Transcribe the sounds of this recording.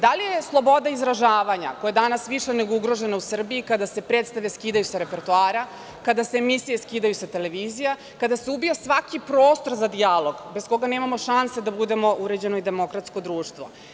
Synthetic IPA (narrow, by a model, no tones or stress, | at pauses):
d̪alijeslˠo̞bo̞d̪aizɾaʒaːʋaɲa̰kojed̪anasʋiʃene̞ɡo̞uɡɾoʒe̞nausr̩biikad̪ase̞pɾet̪st̪aʋlʲeskiːd̪ajusaɾe̞peɾt̪uaːɾa | kad̪asemisije̞skiːd̪ajusat̪ele̞ʋiːzija | kad̪aseubijasʋakipɾo̞ːst̪o̞ɾzad̪ijalˠo̞ɡbesko̞ɡaneːmamo̞ʃansed̪abud̪e̞mo̞ʔuɾe̞d͡ʑe̞noid̪e̞mo̞kɾat̪sko̞d̪ɾuːʃt̪ʋo̰